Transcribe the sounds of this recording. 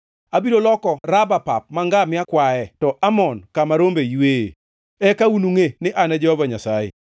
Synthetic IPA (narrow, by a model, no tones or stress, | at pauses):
abiɾolɔkɔrabapa̰p̚maŋɡamɪakwaɛtɔʔamɔnkamaɾombeiwḛ | ɛkaunuŋenɪʔanad͡ʒɛhɔvaɲasajḛ